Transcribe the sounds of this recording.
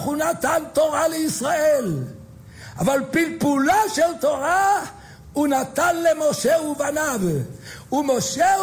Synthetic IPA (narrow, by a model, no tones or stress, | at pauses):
χunat̪ant̪oʁaleisʁael | a̰valpilpulaʃelt̪oʁa | unat̪anlemoʃeuvanavumoʃe